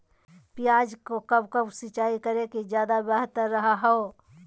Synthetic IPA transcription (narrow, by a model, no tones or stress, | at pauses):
pɪjaːd͡ʒkokɐbkəbsɪt͡ʃaːikəɾekid͡ʒjaːd̪abəɦt̪əɾːɐɦaɦɛo